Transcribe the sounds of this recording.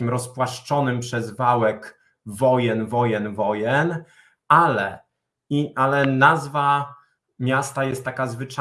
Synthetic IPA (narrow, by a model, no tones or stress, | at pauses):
imɾɔspwaʂt͡ʂɔnɘmpʂɛzvawɛk | vɔjɛnvɔjɛnvɔjɛn | alɛ | iʔalɛnazva | mʲjast̪ajɛst̪ːakazvɘt͡ʂa